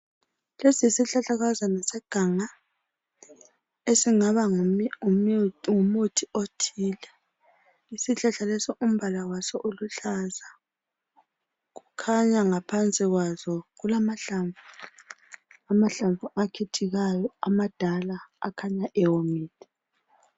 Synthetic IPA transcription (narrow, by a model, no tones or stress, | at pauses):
lesisiɬaɬaɣazanasɛɡ̥ʱaŋa | esiŋaβaŋ | ŋumutʰiotʰiːlɛ | isiɬaɬalesɔʔum̩βalawasɔʔuluɬaza | ɣukʰaɲaŋapʰant͡sʼiɣwazɔɣulamaɬaɱvu | amaɬaɱvuakʰetʰiɣajɔamad̥ʱala̰ːkʰaɲaʔɛwomiːtʰʼɛ̥